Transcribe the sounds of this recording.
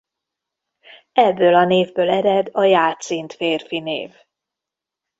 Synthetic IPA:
ɛbːøːlɒneːvbøːlɛɾɛd̪ɒjaːt̪sint̪feːrfinḛːv

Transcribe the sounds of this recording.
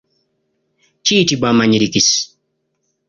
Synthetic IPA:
t͡ʃitibamaɲiɾikis

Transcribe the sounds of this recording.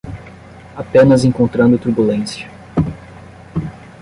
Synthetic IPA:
apẽnɐzẽŋkõnt̪ɾɐ̃nd̪ʊt̪uɾbulẽsjɐ

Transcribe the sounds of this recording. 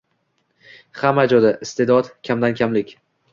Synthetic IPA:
hamad͡ʒɒd̪aʔɪst̪ʰe̞d̪ɒd̪kʲʰamd̪ankʲʰamlɪkʲ

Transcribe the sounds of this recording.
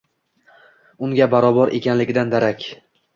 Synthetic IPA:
ʊŋɡʲabaɾɒbɒɾʔe̞̰kʲʰanlɪɡʲɪd̪and̪aɾakʲ

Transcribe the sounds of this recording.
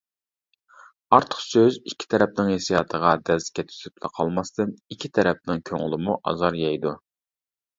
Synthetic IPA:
ɑɾt̪ʰə̥χsøzikʲʰːi̥t̪ʰɛɾɛp̚nɪŋhesijɑːt̪ʰəʁɑd̪ɛlz̥kʲɛt̪ʰy̥syplˠæ̰qʰɑlˠmɑst̪ɨnikʲʰːit̪ʰɛɾɛp̚nɪŋkʲʰøŋɪlˠɪmuʔɑ̰zɑɾjɑjd̪u

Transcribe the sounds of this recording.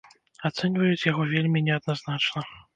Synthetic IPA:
at̪sɛnʲvɐjut͡sʲjaɣɔvʲelʲmʲinʲɛɐd̪naznat͡ʂnɐ

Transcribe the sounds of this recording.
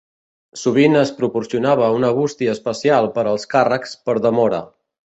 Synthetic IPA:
suβ̞inəspɾupuɾsiunaβ̞əunəβ̞ust̪iəːspəsialˠpəɾəlˠskarəkspəɾðəmɔɾə̰

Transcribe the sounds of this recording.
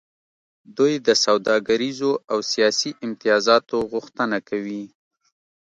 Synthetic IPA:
d̪ujd̪əsawd̪ɑɡaɾizoawsijɑsiʔɪmt̪ɪjɑzɑt̪oɣʊxt̪ənakawi

